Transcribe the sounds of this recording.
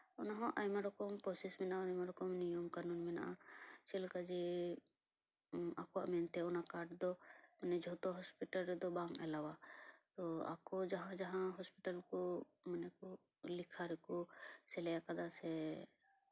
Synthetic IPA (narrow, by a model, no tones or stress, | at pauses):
ɔnaɦɔ̃ʔajmaɾɔkɔmpɔsismɛnaʔajmaɾɔkɔmnijɔmkaɾnunmɛna̰ʔat͡ʃɛlkad͡ʒi | akwaʔmɛnt̪ɛɔnakaɾʈd̪ɔmənɛd͡ʒɔt̪ɔɦɔspiʈalɾɛd̪ɔbãŋɡɛlawat̪ɔa̰kɔd͡ʒaɦãd͡ʒaɦãɦɔspiʈalkɔ | mənɛkɔ | likʰaɾɛkɔsɛlɛjakad̪asɛ